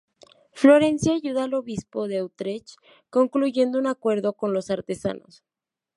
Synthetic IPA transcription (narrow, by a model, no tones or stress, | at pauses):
flo̞ɾe̞nsjaʝuðaːlo̞βispo̞ðeawt̪ɾet͡ʃ | ko̞ŋkluʝe̞nd̪ounakwe̞ɾðo̞ko̞nlo̞saɾt̪e̞sa̰no̰s